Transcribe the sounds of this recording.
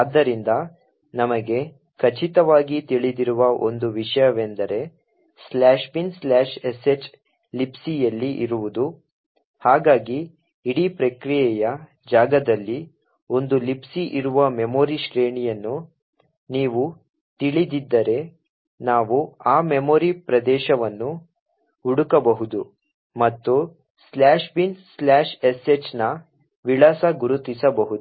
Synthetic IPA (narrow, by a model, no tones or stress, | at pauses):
aːd̪ːɐɾind̪ɐ | nɐmɐɡe̞ | kʰɐt͡ʃit̪ɐʋaːɡit̪iɭid̪iɾuʋɐʔo̞̰nd̪uʋiʂɐjɐʋend̪ɐɾe̞ | slaːʃbinslaːʃeset͡ʃ | lipsijɐlːiʔiɾuʋud̪u | haːɡaːɡiː | ɽipɾɐkɾijɛjɐ | d͡ʒaːɡɐd̪ɐlːi | o̞nd̪ulipsiʔiɾuʋɐmemoːɾiʃɾeːɳijɐnːu | niːʋu | t̪iɭid̪id̪ːɐɾe̞ | naːʋuaːmemoːɾipɾɐd̪ɛːʃɐʋɐnːu | uɽukɐbɐɦud̪u | mɐt̪ːu | slaːʃbinslaːʂeset͡ʃnɐ | ʋiɭaːsɐɡuɾut̪isɐbɐɦud̪uu